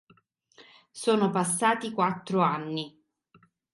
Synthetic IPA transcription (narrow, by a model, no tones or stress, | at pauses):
soːnopasːaːt̪ikwat̪ːɾoanːi